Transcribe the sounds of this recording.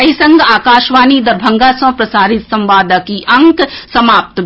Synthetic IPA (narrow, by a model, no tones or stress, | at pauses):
ɐɦisɐ̃ŋɡaːkaːʃʋaːnid̪ɐɾbʱɐ̃ŋɡasɐ̃pɾɐsaːɾɪt̪sɐ̃mʋaːd̪akiʔɐ̃ŋksɐmaːp̚t̪